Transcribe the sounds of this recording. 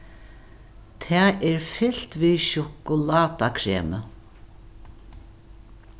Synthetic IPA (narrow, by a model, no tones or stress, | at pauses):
t̪ʰɛːɛɹfɪl̥t̪viʃʊkʊlaːt̪akʰɾeːmə